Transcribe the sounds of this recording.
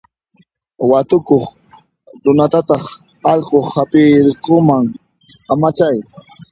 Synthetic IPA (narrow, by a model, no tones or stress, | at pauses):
wat̪ʊkoχ | ɾʊnat̪at̪ɑχ | ɑʎqohapɪɾqʊmaŋ | amat͡ʃaj